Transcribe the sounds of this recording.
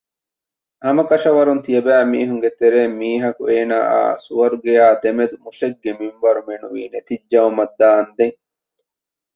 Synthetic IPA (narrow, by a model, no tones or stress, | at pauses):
hɐmɐkɐʃɐʋɐɾunt̪ijɐbæːmiːɦuŋɡet̪eɾeːmiːɦɐkueːna̰ːa̰ːsuʋɐɾuɡejaːd̪emed̪umuʃeɡːemimʋɐɾumenuʋḭːnet̪id͡ʒːɐɐmɐd̪ːaːɐnd̪eŋ